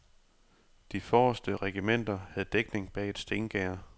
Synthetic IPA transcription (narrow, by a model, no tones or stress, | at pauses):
d̥ifɒːsd̥əʁɛɡ̥imen̰d̥ɐhæð̩ˠd̥eɡ̥ne̝ŋb̥ɛ̰ːe̝d̥sd̥e̝ːnɡ̥ɛɐ